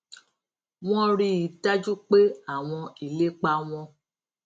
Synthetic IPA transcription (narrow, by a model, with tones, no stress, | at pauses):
w̃ɔ̃˦ɾi˧i˨ta˦d͡ʒu˦k͡pe˦a˦˨w̃ɔ̃˧i˨le˦k͡pa˧w̃ɔ̃˧